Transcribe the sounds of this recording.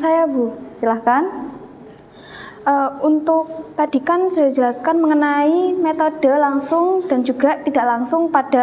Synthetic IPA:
sajabusilahkan | ʔəunt̪ʊk̚t̪ad̥i̤kansad͡ʒəlaskanməŋənaimet̪od̥ə̤laŋsʊŋd̥a̤nd͡ʒuɡa̤t̪idaʔlaŋsʊŋpad̥a

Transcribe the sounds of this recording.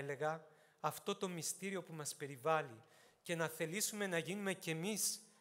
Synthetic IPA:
le̞ɣɐː | ft̪o̞t̪o̞mist̪iɾio̞pumɐspe̞ɾivɐli | ce̞nɐθe̞lisume̞nɐʝinume̞ce̞mis

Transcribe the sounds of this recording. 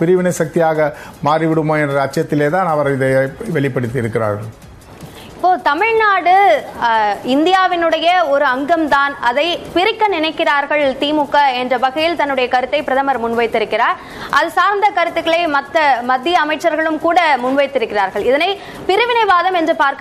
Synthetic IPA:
pɪɾɯʋɪnɐɪsɐk̚t̪ɪjaːɣɐ | maːɾiʋɪɽɯmoːɛndrɐːt͡ʃːjɐt̪ːɪleːt̪aːnɐʋɐɾɪðɐʋɛɭɪpːɐɽɯt̪̬ːɪɪɾɯkːɪɾa̰ːɾɣɐɭ | ɪpːoːt̪ɐmɪɻnaːɽɯ | ɪnd̪ɪjaːʋɪnɯɽɐjɐɔɾɯɐŋɡɐmt̪aːnɐðɐɪpɪɾɪkːɐnɪnɐɪkːɪraːɾɣɐɭt̪iːmʊkːɐɛndrɐbɐɣɐjɪlt̪ɐnːɯɽɐjɐkɐɾɯt̪ːɐɪpɪɾɐðɐmɐɾmʊnʋɐɪt̪ːɪɾɯkːɪraːɾ | ʔɐðɯsaːɾnd̪ɐkɐɾɯt̪ːɯkːɐɭɐɪmɐt̪ːɐmɐd̪ːɪjɐːmɐɪʈt͡ʃːɐɾɣɐɭɯmkuːɽɐmʊnʋɐɪt̪ːɪɾɯkːɪraːɾɣɐɭɪðɐnɐɪ | pɪɾɯʋɪnɐɪʋaːðɐmɛndrɯpaːɾkɐ

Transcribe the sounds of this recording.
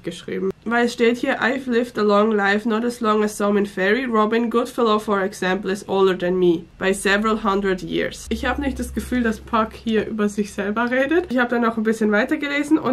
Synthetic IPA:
ɡ̥əʃʁ̥ḭːbm̩vaɪlɛsʃteːthiːɐʔa̰ɪflɪftəlɔŋlaɪfnɔdəslɔŋəsɔ̃mɪ̃nfɛɹiɹɔbɪ̃nɡʊd̥fɪloʊfɔɹɛksɛ̃mpl̩ɪzoʊldə˞ðɛnmiːb̥aɪzɛvəɹəlɦãndɹədjḭːsʔɪçhaːbənɪçtd̥asɡ̥əfyːldaspʰakhiːɐʔy̰ːbɐzɪçz̥ɛlbɐʁeːdətçhaːbədanaʊxnbɪsçənvaɪtɐɡəleːzn̩ʊ̰n

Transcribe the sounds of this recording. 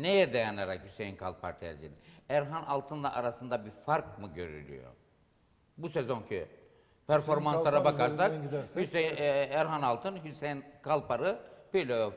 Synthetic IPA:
nejɛd̪ejanaɾakhysejinkʰalˠpʰa̰ɾt̪ʰɛ̰ɾzḭd̪iæɾɦanalˠt̪ʰɯnlˠaʔaɾasɯnd̪abiɾfaɾkmɯɟø̞̰ɾy̰lʲy̰jo̰ | busezo̞ncʰy | pʰæɾfo̞ɾmansaɾabakaɾsakhysæɾɦanalˠt̪ʰɯnhysejnkʰalˠpaɾɯbøjlʲe

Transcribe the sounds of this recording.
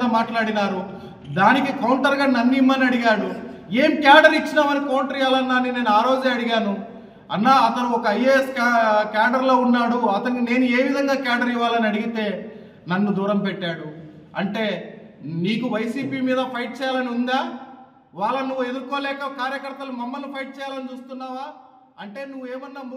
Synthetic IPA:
amaːʈlaːɽinaːɾu | d̪aːnikikɐwɳʈɐɾɡaːnɐnːiimːɐnɐɽiɡaːɽueːmkjaːɖɐɾit͡ʃːinaːmɐnikɐwɳʈɾijaːlɐnːaːnːine̞ːnuaːɾoːd͡ʒaɐɽiɡaːnu | ɐnːaːɐt̪ɐnuɔkɐːjeskːkaːɖɐɾlo̞ːunːaːɽuɐt̪ɐnine̞ːnue̞ːʋid̪ʱɐŋɡaːkaːɖɐɾiʋːaːlɐniɐɽiɡit̪e̞ː | nɐnːud̪uːɾɐmpɛʈːaːɽu | ɐɳʈe̞ː | niːkuʋɐjsiːpiːmiːd̪ɐpʰɐjʈ̚t͡ʃɛːjaːlɐniund̪aː | ʋaːɭːɐnuʋːue̞d̪ukːo̞ːlɛːkɐkaːɾjɐkɐɾt̪ːɐlumɐmːɐlnipʰɐjʈ̚t͡ʃɛːjaːlɐnit͡ʃuːst̪unːaːʋaː | ɐɳʈe̞ːnuʋueːmɐnːaːm

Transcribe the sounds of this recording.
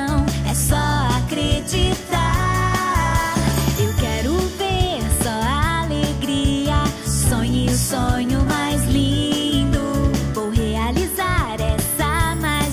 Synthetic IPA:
w̃ɛsɔakɾed͡ʒit̪a | ewkɛɾʊveɾsɔaaleɡɾiɐsõɲɪʊsõɲʊmajzlĩd̪ʊvowɦealizaɾɛsɐma

